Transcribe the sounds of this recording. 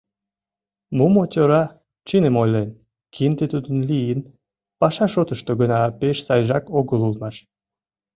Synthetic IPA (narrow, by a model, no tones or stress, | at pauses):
mumot̪ʲoɾɑ | t͡ɕinemojlen | kʰind̪et̪ud̪ə̆nlijin | pɑʃɑʃot̪əʃt̪oɣənɑpeʃsɑjʒɑkoɣəlulmɑʃ